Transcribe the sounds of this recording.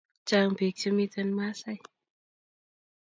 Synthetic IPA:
t͡ɕaː˧ŋpʰi˨˦k̚t͡ɕa˧miː˧t̪e˧˨nmaː˧˥sa˧˩j

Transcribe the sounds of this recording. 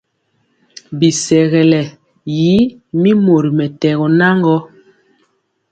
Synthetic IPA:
bi˨sɛ˨ɣɛ˨lɛ˨ | ji˨˦mi˦mo˨ɾi˨mɛ˨tɛ˨ɣɔ˨na˦ŋɡɔ˦

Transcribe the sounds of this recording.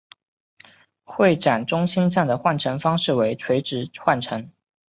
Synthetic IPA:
xwe˥˩ɪʈ͡ʂa˨˩nʈ͡ʂʊ˥ŋɕi˥nʈ͡ʂa˥˩ŋd̪ə˩xwa˥˩nʈ͡ʂʰɤ˧˥ŋfɑ˥ŋʂɻ̩˥˩we˧˥ɪʈ͡ʂʰwe˧˥ɪʈ͡ʂɻ̩˧˥xwa˥˩nʈ͡ʂʰɤ˧˥ŋ

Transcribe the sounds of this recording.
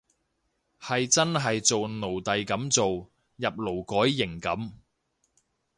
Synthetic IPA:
hɐ˨jt͡sɐ˥nɦɐ˨jt͡so˨wno˨˩wt̪ɐ˨jkɐ˨˥mt͡so˨w | jɐ˨p̚lo˨˩wkɔː˨˥jːɪ˨˩ŋkɐ˨˥m

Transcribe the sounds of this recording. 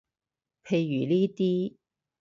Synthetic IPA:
pʰe˧jːyː˨˩liː˥t̪iː˥

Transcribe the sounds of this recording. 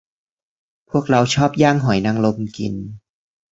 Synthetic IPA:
pʰu˥˩ək̚ɾa˧wt͡ɕʰɔː˥˩p̚jaː˥˩ŋɦɔ˩˦jna˧ŋlo˧mkḭ˧n

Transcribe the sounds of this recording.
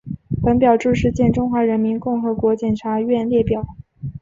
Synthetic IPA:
pə˧˥npjɑ˨˩ʊʈ͡ʂɻ̩˥˧ʂɻ̩˥˧t͡ɕjɛ˥˩nʈ͡ʂʊ˥ŋxwa˧˥ɻə˧˥nmi˧˥nkʊ˥˩ŋxɤ˧˥kwɔ˧˥t͡ɕjɛ˨˩nʈ͡ʂʰa˧˥ɥɛ˥˧nljɛ˥˩pjɑ˨˩˦ʊ

